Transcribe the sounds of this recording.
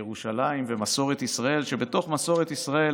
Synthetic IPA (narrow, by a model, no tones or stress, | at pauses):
eʁuʃalaimvemaso̞ʁet̪isʁae̞lʃe̞be̞t̪o̞χmaso̞ʁet̪isʁae